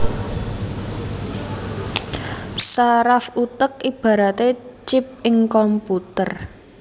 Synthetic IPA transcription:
saɾafut̪ək̚ib̥ä̤ɾat̪et͡ʃɪp̚ɪŋkɔmput̪ər

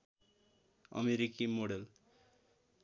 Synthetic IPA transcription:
ʌ̰meɾikimoɽel

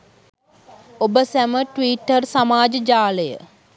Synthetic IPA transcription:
obəsæməʈʋiːʈːərsamaːd͡ʒəd͡ʒaːləjə̰

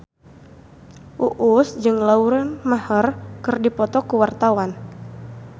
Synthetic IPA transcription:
ʔuʔusd͡ʒɨŋlauɾanmahərkɨrdipɔt̪ɔkuwart̪awan

